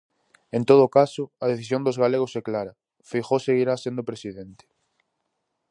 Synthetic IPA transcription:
ẽnt̪oð̞ʊkasʊɐðeθisjõnd̪ozɣaleɣ̞osɛklaɾɐ | fixoseɣiɾasend̪opɾesiðent̪ɪ̥

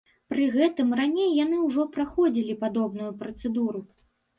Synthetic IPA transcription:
pɾɨɣɛt̪ɨmranʲejːanɨwʐɔpɾaxɔd͡zʲilʲipad̪ɔbnujupɾɐt̪sɛd̪uɾu

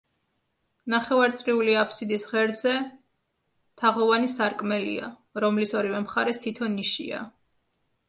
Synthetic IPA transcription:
naχɛvaɾt̪sʼɾiuliapʰsid̪isʁɛɾd̪zɛ | t̪ʰaʁɔvanisaɾkʼmɛlḭa̰ | ɾɔmlisɔɾivɛmχaɾɛst̪ʰit̪ʰɔnːiʃḭa̰

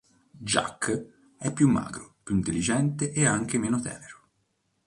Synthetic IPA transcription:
d͡ʒa̰kː | ɛpːjumːa̰ːɡɾopjuint̪elːid͡ʒɛnt̪eʔeaŋk̟emeːnot̪ɛ̰ːveɾo

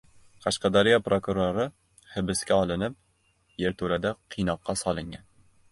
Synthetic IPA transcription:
qʰɑʃqɑd̪aɾijapɾokuɾoɾɪ | hɘ̆bɪskʲaɒlˠɪnɪp̚ | jeɾt̪ʰuɾad̪aqʰːijnɒqːɑsɒlˠɪŋɡʲan

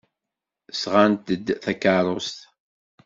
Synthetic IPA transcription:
sʁant̪əd̪θækəɾˤost̪

